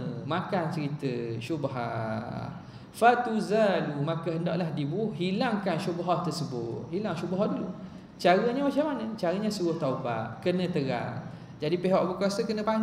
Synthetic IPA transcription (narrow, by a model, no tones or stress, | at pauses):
makant͡ʃəɾit̪əʃubaɦa̰h | fat̪uzalumakəɦəndɔ̰ʔlahdibuɦilaŋkanʃubɦaht̪ərsəbʊt̪̚ɦilaŋʃubɦɔhdulṵ | t͡ʃaɾəɲəmat͡ʃamanə̃t͡ʃaɾəɲãsuɾʊht̪auba̰ʔkənə̃t̪əɾa̰ŋ | d͡ʒadipeɦɔʔ̚bəkuasəkənə̃pa